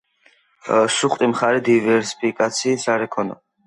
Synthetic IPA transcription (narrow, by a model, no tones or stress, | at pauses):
ʃuχt̪ʼimχaɾɛd̪ivɛɾsi̥pʰikʼat̪sʰiːsaɾɛkʰɔna̰